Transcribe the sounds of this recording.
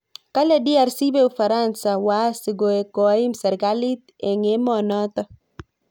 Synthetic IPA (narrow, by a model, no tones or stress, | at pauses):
kaladiaɾsibeufaɾansawasiɡoekɔimsaɾɡalit̪ | ɛŋemɔnɔt̪ɔ